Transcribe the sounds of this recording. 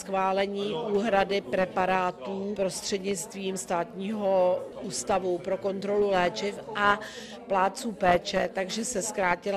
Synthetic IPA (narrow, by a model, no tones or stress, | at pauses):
sxvaːlɛɲiːʔuːɦɾadɪpɾɛpaɾaːt̪uːpɾo̞st̪r̝̥ɛdɲɪt͡st̪viːmst̪aːt̪ɲiːɦo̞uːst̪avupɾo̞ko̞nt̪ɾo̞lulɛːt͡ʃɪfʔa | plaːt͡suːpɛːt͡ʃɛt̪aɡʒɛsɛskɾaːcɪl